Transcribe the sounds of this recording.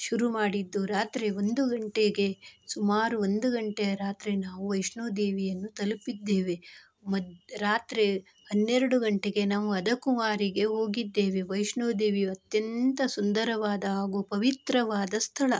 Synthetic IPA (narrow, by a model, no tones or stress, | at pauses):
ʃuɾumaːɽid̪ːuɾaːt̪ɾeond̪uɡɐɳʈeɡe̞sumaːɾuond̪uɡɐɳʈeɾaːt̪ɾenaːʋuʋɐjʂɳoːd̪eːʋijɐnːut̪ɐlupid̪ːe̞ːʋe | mɐdɾaːt̪ɾe | ɦɐnːeɾɐɽuɡɐɳʈeɡe̞naːʋuɐd̪ɐkumaːɾiɡe̞ɦo̞ːɡid̪ːe̞ːʋeʋɐjʃɳoːd̪e̞ːʋiɐt̪jɐnt̪ɐsund̪ɐɾɐʋaːd̪ɐaːɡuːpɐʋit̪ɾɐʋaːd̪ɐst̪ʰɐɭɐ